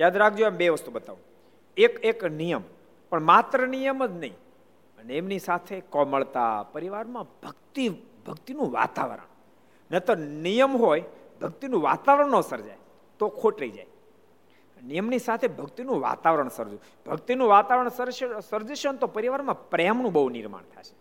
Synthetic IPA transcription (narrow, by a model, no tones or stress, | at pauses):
jad̪ɾak̚ʰd͡ʒoembeʋəst̪ubət̪aʋũ | ekeknijəm | pəɳmat̪ɾənijəməd͡ʒnəĩ | ənemnisat̪ʰekɔ̃məɭt̪a̰pəɾiʋaɾmãbʱəɡt̪ibʱəɡt̪inũʋa̰t̪a̰ʋəɾə̰ɳ | net̪ənijəmɦojbʱəɡ̚t̪inũʋa̰t̪aʋəɾəɳnosəɾd͡ʒa̰j | t̪okʰoʈɾəid͡ʒa̰j | nijəmnisat̪ʰebʱəɡt̪inũʋa̰t̪aʋəɾəɳsəɾd͡ʒũ | bʱəkt̪inũʋat̪aʋɾəɳsəɾʃsəɾd͡ʒəʃnt̪opəɾiʋaɾmãpɾɛmnũbəɦunḭɾma̰ɳt̪ʰa̰ʃʰe̥